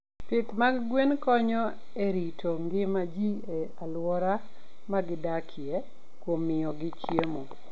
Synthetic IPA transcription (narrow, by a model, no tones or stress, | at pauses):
pɪt̪maɡɡwenkɔɲɔ | eɾitʰoŋɡɪmad͡ʒi | ealwɔɾa | maɡɪdakʰɪe | kwomːɪɔɡɪt͡ʃjemo